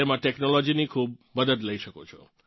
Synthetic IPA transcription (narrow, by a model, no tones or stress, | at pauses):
emãʈeknolɔd͡ʒinikʰub̚məd̪əd̪ləiʃəkot͡ʃʰɔ̰